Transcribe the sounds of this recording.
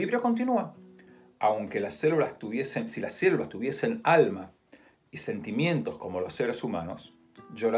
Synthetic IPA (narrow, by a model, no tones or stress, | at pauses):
iβɾjoko̞nt̪inua | awŋke̞lasːelulast̪uβje̞sensilasːelulast̪uβje̞se̞nalma | ise̞nt̪imjẽ̞nt̪o̞sko̞mo̞losːe̞ɾesuma̰nos | ʒo̞ɾa